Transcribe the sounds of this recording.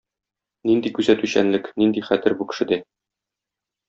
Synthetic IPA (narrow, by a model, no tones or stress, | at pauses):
nind̪ikʉzæt̪ʉɕæ̰nlɘknind̪iχæt̪ɘɾbukɘ̥̆ʃɘ̆d̪æ